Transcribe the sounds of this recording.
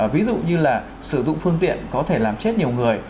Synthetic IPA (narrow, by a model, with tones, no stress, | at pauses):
vi˨˦zṵ˧˨ɲɨ˧laː˨˩ | sɨ˧˩zʊ̰˧˨ŋ͡mfɨ˧əŋt̪ḭ˧˨ənkɔ˨˦t̪ʰe˧˩laː˨˩mt͡ɕe˦˥t̚ɲi˨˩əwŋɨ˨˩əj